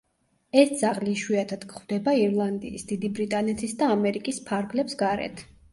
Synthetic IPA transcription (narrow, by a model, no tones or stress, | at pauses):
ɛsd̪z̥aʁliʃwiat̪ʰad̪̥kχwvd̪ɛbaiɾlˠand̪ḭːsd̪̥id̪ibɾit̪ʼanɛt̪ʰisd̪aːmɛɾikʼispʰaɾɡlɛpsɡaɾɛ̰t̪ʰ